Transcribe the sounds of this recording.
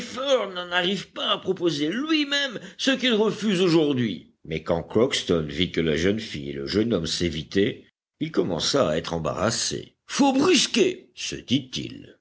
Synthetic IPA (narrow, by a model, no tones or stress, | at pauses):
fɔʁnɑ̃naʁivpaːpχɔpozelɥimɛmsəkilʁəfyzoʒuʁd̪ɥi | mɛkɑ̃kχɔkst̪ɔnvikəla̰ʒənfijḛlə̰ʒənɔmsevit̪ɛ | ilkɔmɑ̰̃saːɛt̪χɑ̃ba̰ʁa̰sḛ | fobʁyskʲesə̰d̪it̪ḭl